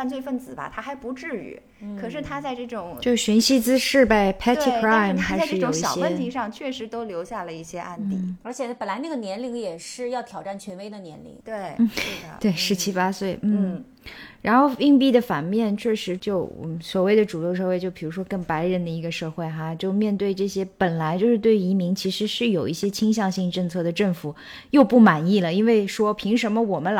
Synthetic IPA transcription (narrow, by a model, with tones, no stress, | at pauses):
fa˥˧nt͡swe˥˧ɪfə˥˩nt͡sɹ̩˨˩bɐ̰˦t̪ʰa˥xa˧˥ɪpu˧˥ʈ͡ʂɻ̩˥˩y̰˨˧˩ | kʰɤ˨˩ʂɻ̩˥˩t̪ʰa˥t͡sa˥˧ɪʈ͡ʂɤ˥˩ʈ͡ʂʊ˨˩˦ŋt͡ɕo˥˧ʊɕy˧˥nɕi˥t͡sɹ̩˥ʂɻ̩˥˧pa˥˩ɪpʰɛ˥ttʰi˥kʰɹa˥ɪmʰxa˥˧˥a˥˧ɪʂʈ͡ʂɤ˥jʈ͡ʂʊ˧˥˨ŋɕjɑ̰˨˩ʊ˩ɕjɛwə˥t̪ʰi˧˥ʂɑ˥˧ŋt͡ɕʰɥɛ˥˩ʂɻ̩˧˥t̪o˥ʊljo˧˥ʊɕja˥˩lə˩i˥˩ɕjɛ˥ʔa̰˥˧nt̪ḭ˥˩ə˞˧˥t͡ɕʰjɛ˨˩pə˨˩nla˧˥na˥˩ɡə˩njɛ˧˥nli˧˥ŋjɛ˨˩ʂɻ̩˥˧jɑ˥˩ʊt̪ʰjɑ˨˩ʊʈ͡ʂa˥˩nt͡ɕʰɥɛ˧˥nwe˥ɪd̪ə˨njɛ˧˥nlḭ˧˥ŋt̪we˥˩ɪ˥˩d̪ə˩t̪we˥˩ɪʂɻ̩˧˥t͡ɕʰi˥pa˥swe˥˩ɪn̩˥˩ | ɻa˧˥nxo˥˩ʊi˥˧ŋp̬i˥˩d̪ə˩fa˨˩nmjɛ˥˧nt͡ɕʰɥɛ˥˩ʂɻ̩˧˥t͡ɕjo˥˧ʊ˥˩swɔ˨˩we˥˩ɪd̪ə˩ʈ͡ʂu˨˩jo˥˧ʂ̬ɤ˥˧we˥˧ɪt͡ɕjo˥˩ʊpʰi˨˩ɻu˧˥ʂwɔ˥kə˥˩ŋpa˧˥ɪɻə˧˥nd̪ə˧i˧˥ɡə˧ʂɤ˥˧xwe˥˩ɪxa˥˧t͡ɕjo˥˧ʊmjɛ˥˧nt̪we˥˧ɪʈ͡ʂɤ˥˩ɕjɛ˥pə˨˩nla˧˥ɪt͡ɕjo˥˧ʊʂɻ̩˥˧t̪we˥˩˧i˧˥mi˧˥ŋt͡ɕʰi˧˥ʂɻ̩˧˥ʂɻ̩˥˩jo˨˩ʊi˥˩ɕjɛ˥t͡ɕʰi˥ŋɕjɑ˥˧ŋɕi˥˧ŋʈ͡ʂɤ˥˧ŋt͡sʰɤ˥˩d̪ə˩ʈ͡ʂɤ˥˩ŋfu˨˩˦ | jo˥˧ʊpu˥˩ma˨˩ni˥˩lə˩i˥nwe˥˩ɪʂwɔ˥pʰi˧˥ŋʂə˧˥nmə˧wɔ˨˩mə˦